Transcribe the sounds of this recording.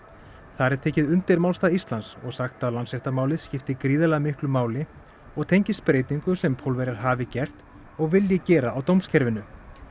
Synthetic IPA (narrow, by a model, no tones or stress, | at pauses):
θaɾɛɾ̥t̪ʰɛːcɪðʏnt̪ɪɾmaːwlst̪aðist̪lansɔɣsaxt̪aðwlansɛht̪amaːwlɪðscɪft̪ɪkɾiːðɛlɛɣmɪhklʏmaːwlɪ | ɔɣt̪ʰejɲcɪspɾeːjt̪iŋkʏsɛmpʰowlvɛɾaɾ̥ɦaːvɪcɛr̥t̪ | ɔɣvɪljɛcɛːɾaːwt̪owmscʰɛɾvɪnʏ